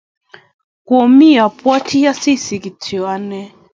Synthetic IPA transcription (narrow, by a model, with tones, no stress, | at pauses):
kwɔ˨mi˦a˨pwa˦tʰi˦ja˦si˦si˨ki˨tʰi˨a˦nɛ˦